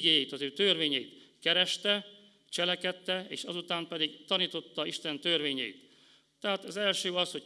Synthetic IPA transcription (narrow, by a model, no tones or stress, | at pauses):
ɡeːjɛjit̪ɒzøːt̪ørʋeːɲɛjit̪kɛɾɛʃt̪ɛ | t͡ʃɛlɛkɛt̪ːɛḛːʃɒzut̪aːmpɛd̪iɡt̪ɒniːt̪o̞t̪ːɒiʃt̪ɛnt̪ørʋeːɲɛḭt̪ː | ɛɦaːt̪ɒzɛlʃøːɒsho̞